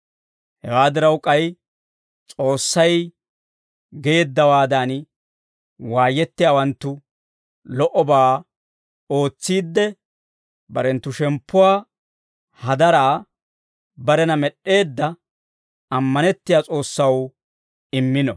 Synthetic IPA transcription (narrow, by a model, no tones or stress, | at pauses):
hɛwaːd̪ɪɾɐwkʼɐj | t͡sʼo̞ːsːɐj | ɡeːd̪ːɐwaːd̪an | waːjːɛt̪ːɪjaːwɐnt̪ːʊ | lɔʔɔbaː | o̞ːt͡sːiːd̪ːɛ | bɐɾɛnt̪ːʊʃɛmpːʊwaː | hɐd̪ɐɾaː | bɐɾɛnɐmɛɗe̞ːd̪ːɐ | ɐmːɐnɛt̪ːɪjaːt͡sʼo̞ːsːɐw | ɪmːɪnɔ̰